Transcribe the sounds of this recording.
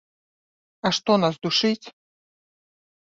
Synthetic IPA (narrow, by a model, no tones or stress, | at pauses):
aʂt̪ɔnasd̪uʂɨt͡sʲ